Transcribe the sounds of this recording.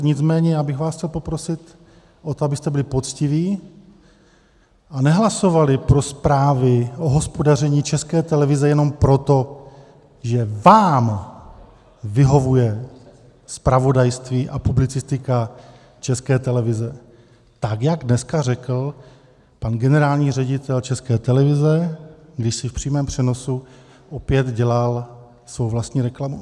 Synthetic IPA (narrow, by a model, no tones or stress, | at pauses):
ɲɪt͡smɛːɲɛjaːbɪxvaːsxcɛlpo̞pɾo̞sɪt̪ | ʔot̪oabɪst̪ɛbɪlɪpo̞t͡scɪviː | ʔanɛɦlaso̞valɪpɾo̞spɾaːvɪʔo̞ɦo̞spo̞dar̝ɛɲiːt͡ʃɛskɛːt̪ɛlɛvɪzɛjɛno̞mpɾo̞t̪o̞ | ʒɛvaːm | vɪɦo̞vujɛ | spɾavo̞dajst̪viːʔapublɪt͡sɪst̪ɪka | t͡ʃɛskɛːt̪ɛlɛvɪzɛ | t̪akjaɡdnɛskarɛkl̩ | panɡɛnɛɾaːlɲiːrɛɟɪt̪ɛlt͡ʃɛskɛːt̪ɛlɛvɪzɛɡdɪʃsɪfpr̥iːmɛːmpr̝̥ɛno̞su | ʔo̞pjɛt̪ɟɛlal | svowvlast̪ɲiːɾɛklamu